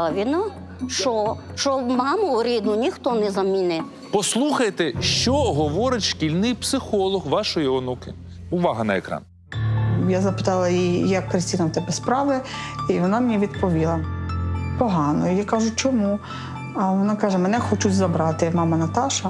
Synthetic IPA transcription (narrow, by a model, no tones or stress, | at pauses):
ʋʲina | ʃɔ | ʃɔmɑmʊʊɾʲid̪nʊnʲixt̪ɔnɛzɐmʲinɪ | pɔslˠuxɐjt̪ɛʃt͡ʃɔɦɔʋɔɾɪtʲʃkʲilʲnɪjpsɪxɔlˠɔɦʋɑʃɔjiɔnukɪ | ʊʋɑɦɐnɐekɾɑ̰n | jazɐpɪ̥t̪ɑlˠɐjijɐkːɾesʲtʲinɐmwt̪ɛbɛspɾɑʋɪiʋɔnɑmnʲiʋʲid̪pɔʋʲilˠɐ | pɔɦɑnɔijakɑʒʊt͡ʃɔmu | ʋɔnɑkɑʒɛmɛnɛxɔt͡ʃʊt͡sʲzɐbɾɑt̪ɪmɑmɐnɐt̪ɑʃɐ